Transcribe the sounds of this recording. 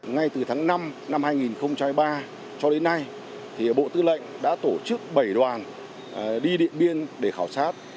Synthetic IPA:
ŋa˧jt̪ɨ˨˩t̪ʰaː˨˦ŋna˧mna˧mhaː˧jŋi˨˩nxə˧wŋ͡mt͡ɕa˧mha˧jɓaː˧ | t͡ɕɔ˧ɗe˨˦nːa˧j | t̪ʰi˨˩ɓo̰˧˨t̪ɨ˧lə̰˧˨jŋ̟ɗa̰ː˧˥t̪o˧˩t͡ɕɨ˦˥k̚ɓə˧˩jɗwaː˨˩n | ɗi˧ɗḭ˧˨ənɓi˧ənɗe˧˩xaː˧˩wsaː˦˥t̚

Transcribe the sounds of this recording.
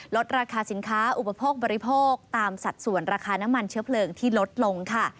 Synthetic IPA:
lo˦˥t̪̚ɾaː˧kʰaː˧si˩˦nkʰaː˦˥ʔu˨˩pa˧pʰoː˥˩k̚bɔː˧ɾi˧pʰoː˥˩k̚t̪aː˧msa˨˩t̪̚su˨˩ənɾaː˧kʰaː˧na˦˥mːa˧nt͡ɕʰɯ˦˥ɐpʰlɤː˧ŋt̪ʰiː˥˩lo˦˥t̪̚lo˧ŋkʰa˥˩

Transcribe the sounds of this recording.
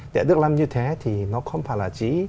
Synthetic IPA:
ɗɛ̰˧˩ɗɨ˦˥ək̚la˧mɲɨ˧t̪ʰe˨˦t̪ʰi˨˩nɔ˨˦xə˧wŋ͡mfaː˧˩jlaː˨˩t͡ɕi˨˦

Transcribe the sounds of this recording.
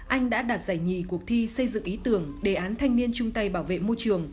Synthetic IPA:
ʔa˧jŋ̟ɗa̰ː˧˥ɗaː˨˩t̚zaː˧˩jɲḭ˧˨ku˨˩ək̚t̪ʰi˧sə˧jzɨ̰˧˨ŋʔi˨˦t̪ɨ˧˩əŋɗe˧˩ʔaː˨˦nt̪ʰa˧jŋ̟mi˧ənt͡ɕʊ˧ŋ͡mt̪a˧jɓaː˧˩wvḛ˧˨mo˧jt͡ɕɨ˨˩əŋ

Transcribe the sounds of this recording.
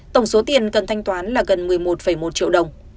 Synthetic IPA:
t̪ə˧˩wŋ͡mso˨˦t̪i˨˩ənkə˨˩nt̪ʰa˧jŋ̟t̪waː˨˦nlaː˨˩ɣə˨˩nmɨ˨˩əjmo˨˩t̚fə˧˩jmo˨˩t̚t͡ɕḭ˧əwɗə˨˩wŋ͡m

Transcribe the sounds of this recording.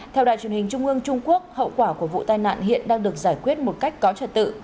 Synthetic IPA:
t̪ʰɛ˧wɗa̰˧˨jt͡ɕwi˨˩hi˨˩ŋ̟t͡ɕʊ˧ŋ͡mʔɨ˧əŋt͡ɕʊ˧ŋ͡mku˦˥ək̚hə̰˧˨wkwaː˧˩ku˧˩əvṵ˧˨t̪aː˧˩jna̰ː˧˨nhḭ˧˨ənɗaː˧ŋɗɨ˨˩ək̚zaː˧˩jkwi˦˥ət̚mo˨˩t̚ka˦˥jk̟̚kɔ˨˦t͡ɕəː˧˩t̚t̪ɨ̰˧˨

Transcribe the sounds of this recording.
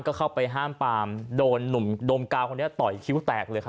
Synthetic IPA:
nkɔː˥˩kʰa˥˩wpa˧jɦaː˥˩mpaː˧mdoː˧nːu˨˩˦mdoː˧mkaː˧wkʰo˧nːi˦˥ɐt̪ɔ˨˩jkʰi˦˥wt̪ɛː˨˩k̚lɤː˧jkʰ

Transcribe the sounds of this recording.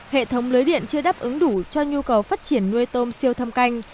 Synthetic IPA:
hḛ˧˨t̪ʰə˨˦wŋ͡mlɨː˨˦jɗḭ˧˨ənt͡ɕɨ˧əɗaː˦˥p̚ʔɨ˨˦ŋɗu˧˩t͡ɕɔ˧ɲu˧kə˨˩wfaː˦˥t̚t͡ɕi˧˩ənːu˧əjt̪o˧msi˧əwt̪ʰə˧mka˧jŋ̟

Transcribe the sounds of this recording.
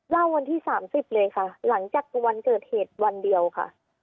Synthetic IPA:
la˥˩wːa˧nt̪ʰiː˥˩saː˩˦msi˨˩p̚lɤː˧jkʰa˥˩la˩˦ŋt͡ɕaː˨˩k̚kuː˧˩wa˧nkɤː˨˩t̪̚heː˨˩t̪̚wa˧ndi˧əwkʰa̰˥˩ʔ

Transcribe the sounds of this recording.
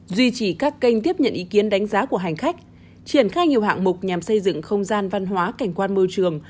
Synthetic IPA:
zwi˧t͡ɕi˧˩kaː˦˥kːə˧jŋ̟t̪i˦˥əp̚ɲə̰˧˨nʔi˨˦ki˨˦ənɗa˨˦jŋ̟zaː˨˦ku˧˩əɦa˨˩jŋ̟xa˦˥jk̟̚ | t͡ɕi˨˧˩ənxaː˧jɲi˨˩əwha̰ː˧˨ŋmʊ˨˩k͡p̚ɲaː˨˩msə˧jzɨ̰˧˨ŋxə˧wŋ͡mzaː˧nva˧nɦwaː˨˦ka˧˩jŋ̟kwaː˧nmɨ˧t͡ɕɨ˨˩əŋ

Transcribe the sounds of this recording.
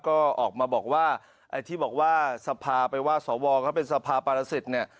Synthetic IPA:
kɔː˥˩ʔɔː˨˩k̚maː˧bɔː˨˩k̚waː˥˩ | ʔa˧jt̪ʰiː˥˩bɔː˨˩k̚waː˥˩sa˧pʰaː˧pa˧jwaː˥˩sɔː˩˦wɔː˧kʰaː˦˥˩wpe˧nsa˧pʰaː˧paː˧ɾa˧si˨˩t̪̚ni˥˩ɐ

